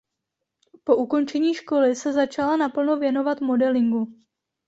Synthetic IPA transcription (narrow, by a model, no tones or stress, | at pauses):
po̞ʔuko̞nt͡ʃɛɲiːʃko̞lɪsɛzat͡ʃalanapl̩no̞vjɛno̞vat̪mo̞dɛlɪŋɡu